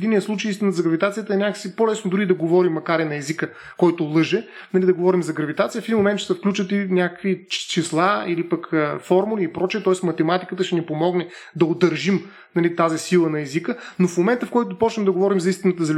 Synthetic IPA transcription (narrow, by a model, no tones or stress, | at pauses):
d̪inijəslˠut͡ʃejist̪ʲinət̪zɐɡɾɐvit̪at̪sijət̪əɛnʲakə̥sipolɛsnod̪ʊɾid̪ɐɡovɔɾimːɐkaɾɛnɐɛzikə | kɔjt̪olˠɤʒɛ | nɐlid̪ɐɡovɔɾimzɐɡɾɐvit̪at̪sijəfɛd̪inmomɛnt̪ʃɛsɐfklʲut͡ʃət̪inʲakəkvit͡ʃislˠailipəkʰəfɔɾmuliipɾɔt͡ʃiɛt̪ɔɛsmɐt̪ɛmat̪ikət̪əʃɛnipomɔɡnɛ | d̪ɐod̪ɐɾʒim | nɐlit̪azisilˠənɐɛzikənofmomɛnt̪əfkɔjt̪ʊpɔt͡ʃnɛmd̪ɐɡovɔɾimzɐist̪inət̪əzɐl